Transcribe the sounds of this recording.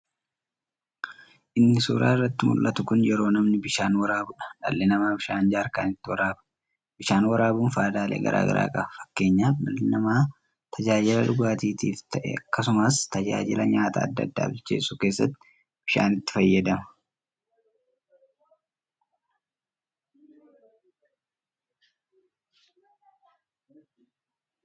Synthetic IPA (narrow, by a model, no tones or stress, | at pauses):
ʔɪnːɪsuːɾa̰ːɪrːɐt̪ːɪmʊ̰lʔɐt̪ʊkʊnjɛɾo̞ːnɐmnɪbɪʃaːnwɐɾaːbʊᶑɐ̥ᶑɐ̰lːɪnɐmaːbɪʃaːnd͡ʒaːɾka̰ːnɪt̪ːɪwɐɾaːbɐ̥ | b̥ɪʃaːnwɐɾaːbuːnfaːd̪aːlḛːɡɐ̰ɾʔa̰ːɡɐ̰ɾa̰ːkʼɐbɐfɐ̥kːe̞ːɲːaːɐlːɪnɐmaː | t̪ʰɐd͡ʒaːd͡ʒɪlɐᶑʊɡaːt̪iːt̪iːft̪ɐʔɛ̰ɐkːɐsʊmaːst̪ɐd͡ʒa̰ːd͡ʒɪlɐɲaːt̪a̰ːd̪ːɐ̰d̪ːa̰ːbɪt͡ʃːḛːsuːke̞ːsːɐ̰t̪ːɪ̥ | b̥ɪʃa̰ːnɪt̪ːɪ̥fɐjːɐd̪ɐmɐ